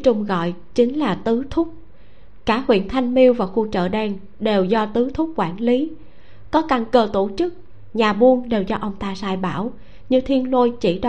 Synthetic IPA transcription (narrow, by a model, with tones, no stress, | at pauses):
t͡ɕʊ˧ŋ͡mɣɔ̰˧˨jt͡ɕï˨˦ŋ̟laː˨˩t̪ɨ˨˦t̪ʰʊ˦˥k͡p̚ | kaː˧˩hwḭ˧˨ənt̪ʰa˧jŋ̟mi˧əwvaː˨˩wxu˧t͡ɕə̰ː˧˨ɗɛː˧ŋ | ɗe˨˩wzɔ˧t̪ɨ˨˦t̪ʰʊ˦˥k͡p̚kwaː˧˩nli˨˦ | kɔ˨˦ka˨˩ŋkəː˨˩t̪o˧˩t͡ɕɨ˦˥k̚ | ɲaː˨˩ɓu˧ənɗe˨˩wzɔ˧ʔə˧wŋ͡mt̪aː˧saː˧jɓaː˧˩w | ɲɨ˧t̪ʰi˧ənlo˧jt͡ɕi˧˩ɗ